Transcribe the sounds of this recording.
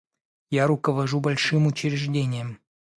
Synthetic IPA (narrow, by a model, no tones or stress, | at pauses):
jaɾukəvɐʐubɐlʲʂɨmut͡ɕɪɾʲɪʐdʲenʲɪjəm